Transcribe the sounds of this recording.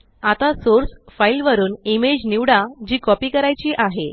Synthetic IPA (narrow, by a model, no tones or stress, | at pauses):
at̪asoɾsfajlʋəɾuːnimed͡ʑniʋɽad͡ʑiːkɔpiːkəɾajt͡ɕiːʔaɦe